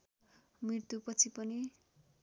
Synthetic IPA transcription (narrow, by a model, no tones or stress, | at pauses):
miɽt̪upʌt͡sʰipʌni